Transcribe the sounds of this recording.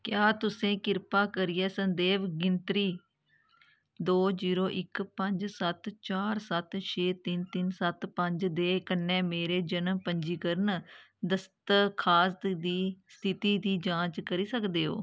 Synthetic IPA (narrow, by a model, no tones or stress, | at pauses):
kjaːt̪ʊsẽːkɪɾpaːkəɾiːɛːsənd̪eːʋɡɪnt̪ɾiː | d̪oːziːɾoːʔɪkpəɲd͡ʒsət̪t͡ʃaːɾsət̪ʃʰeːt̪ɪnt̪ɪnsət̪pəɲd͡ʒd̪eːkənːɛ̃ːmeːɾeːd͡ʒənmpəɲd͡ʒiːkəɾənd̪əst̪kʰaːsd̪iːst̪ʰɪt̪iːd̪iːd͡ʒãːt͡ʃkəɾiːsəkd̪eːɦo̰ː